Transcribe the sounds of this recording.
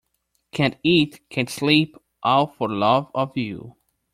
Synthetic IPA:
kʰæ̃ntitkʰɨ̃nslip | ʔaʊfə˞lʌvʌvjʉ̰

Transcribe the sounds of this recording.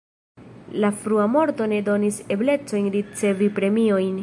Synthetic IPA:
lafɾuamo̞ɾt̪o̞ne̞do̞nise̞ble̞t͡so̞jnɾit͡se̞vipɾe̞mio̞jn

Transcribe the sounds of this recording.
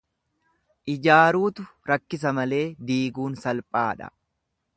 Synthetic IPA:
ʔɪd͡ʒaːɾuːt̪ʊɾɐkːɪs̬ɐmɐle̞ːd̪iːɡuːnsɐlpʼaːᶑɐ̰

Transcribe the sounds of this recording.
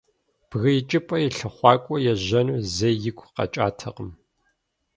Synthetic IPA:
b̥ɣɐjɪt͡ʃʼɪpʼɐjɪɬɐχʷɑːkʷʼɔjɛʑɐnuːzejjɪkʷʰqɐ̰t͡ʃʼa̰ːtʰɐ̰qəm

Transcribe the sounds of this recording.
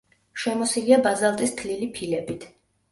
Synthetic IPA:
ʃɛmɔsiliabazalˠt̪ʼist̪ʰlilipʰilɛbit̪ʰ

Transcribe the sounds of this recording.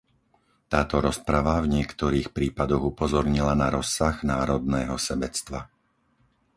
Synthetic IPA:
t̪aːt̪ɔɾɔspɾaʋavɲɪɛkt̪ɔɾiːxpɾiːpad̪ɔɣupɔzɔɾɲilanaɾɔsːaɣnaːɾɔd̪nɛːɦɔsɛbɛt͡st̪ʋa

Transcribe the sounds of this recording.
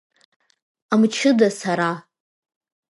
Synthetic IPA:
amt͡ʃʰɨdasaɾa

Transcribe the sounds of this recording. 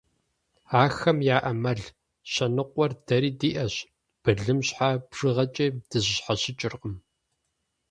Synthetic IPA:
aːxɐmjaːʔɐmɐɮ | ɕɐnɨqʷʼɔrd̥ɐɾiːdiːʔɐɕ | b̥ɨɮɨmɕħabʐ̥ɨʁɐt͡ʃʼeːd̥ɨʑɪɕħaɕɪt͡ʃʼɪrqʼəm

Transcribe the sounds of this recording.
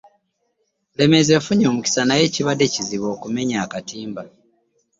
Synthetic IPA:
le̞me̞ze̞fuɲo̞ːmuci̥sanaje̞ːciβadːe̞ciziβo̞ːkume̞ɲaːkatiːmba

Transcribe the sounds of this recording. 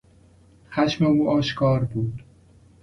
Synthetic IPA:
xæʃmeuːɒːʃkʰɒːɾbuːd̪

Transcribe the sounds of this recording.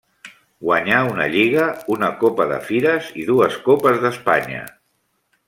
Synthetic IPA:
ɡwaɲaunə̰ʎiɣ̞əunəkopəðə̰fiɾəziðuəskopəzðəspaɲə̰

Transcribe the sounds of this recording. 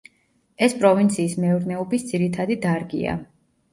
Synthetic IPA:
ɛspʼɾɔvint̪sʰiːsmɛuɾnɛɔbisd̪z̥iɾit̪ʰad̪id̪aɾɡḭa̰

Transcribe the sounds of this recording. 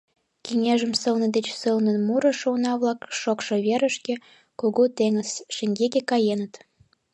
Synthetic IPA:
kiŋeʒə̆msə̆lnə̆d̪et͡ɕsəlnə̆nmuɾə̆ʃunɑβlɑkʃokʃoβeɾəʃkĕ | koɣot̪eŋəzʃə̆ŋɡekekɑjenət̪

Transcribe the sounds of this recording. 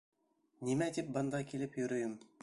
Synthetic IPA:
nimæt̪ip̚bɤ̆nd̪ɑkilɘpjɵ̆ɾɵ̆jɤm

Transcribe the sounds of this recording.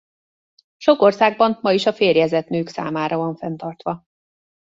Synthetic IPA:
ʃo̞ko̞rsaːɡ̚bɒmmɒiʃɒfeːrjɛzɛt̪nøːksa̰ːmaːɾɒvɒɱfɛnt̪ɒrt̪ʋɒ

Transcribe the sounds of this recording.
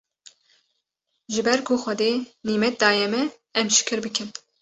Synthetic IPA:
ʒɨbɛɾkʰoxʷɛd̪eːniːmɛt̪̚d̪ɑːjɛmɛ | ɛmʃɪ̥kʰɨɾbɨkʰɨn

